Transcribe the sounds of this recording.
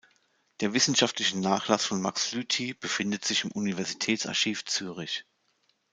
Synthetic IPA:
d̥eːɐvɪsn̩ʃaftlɪçənaːχlasfɔnmakslyːtʰib̥əfɪndətz̥ɪçɪmʔunivɛɐzitʰɛːtt͡sa̰ɐʃiːft͡syːʁ̞ɪç

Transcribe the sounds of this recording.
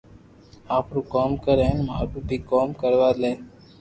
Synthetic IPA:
aːpɾuːkoːmkəɾeːnma̰ːɾuːbʱiːkoːmkəɾʋaːleː

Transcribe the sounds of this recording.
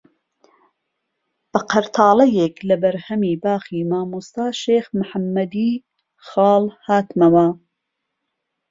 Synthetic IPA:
b̥ɐqʰɐɾt̪ʰɑːlɐjeːklɐbɐɾhɐmiːbaːxiːmaːmust̪ɑːʃeːxmħamːɐd̪iː | xɑːlhaːt̪mɐmɐ

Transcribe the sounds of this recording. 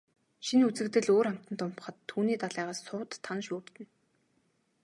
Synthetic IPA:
ʃinut͡sɘ̆kt̪ɘ̆ɮoːɾam̥t̪ə̆nt̪ʊmpχə̆t̪ʰːuːniːt̪aɮæːʁaːsːʊːt̪ʰːanʃuːrt̪ɘ̆n

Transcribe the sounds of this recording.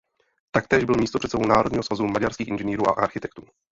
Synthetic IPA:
t̪ak̚t̪ɛːʒbɪlmiːst̪oprɛt̪sɛbownaːɾodɲiːɦsvazumaɟaɾskiːxɪ̰nʒɛniːɾuːʔa̰ʔaɾxɪt̪ɛkt̪uː

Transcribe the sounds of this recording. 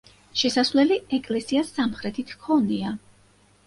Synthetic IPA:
ʃɛsasvlɛliɛkʼlɛsiasːamχɾɛt̪ʰit̪ʰkʰɔnia

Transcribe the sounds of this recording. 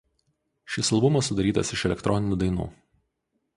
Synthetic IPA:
ʃʲɪsɐlˠbʊmɐsːʊd̪ɐɾʲiːt̪ɐ̰sɪʃɛlʲɛkt̪ɾʔɔnʲɪnʲuːd̪ɐɪnṵː

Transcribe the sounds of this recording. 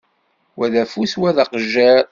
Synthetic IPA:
wæðæfuswæðaqəʒːæɾ

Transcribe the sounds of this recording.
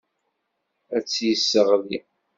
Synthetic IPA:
æt͡sːjəsːəʁði

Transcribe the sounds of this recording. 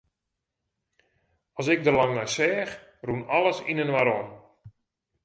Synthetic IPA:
ɔsɪɡ̚dəlaŋnɔjsɛːx | runɔlˠəsḭnənʋaɾɔn

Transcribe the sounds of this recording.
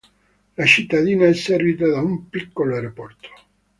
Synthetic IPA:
lat͡ʃit̪ːad̪iːnaɛsːɛrvit̪̬ad̪aumpikːoloajɾopɔrt̪o̥

